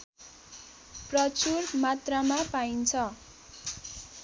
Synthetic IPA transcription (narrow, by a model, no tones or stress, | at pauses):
prʌt͡surmat̪ramapaint͡sʰʌ